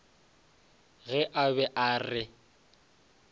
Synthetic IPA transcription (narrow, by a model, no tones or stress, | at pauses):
ɣɛʔabɛʔaːrɪ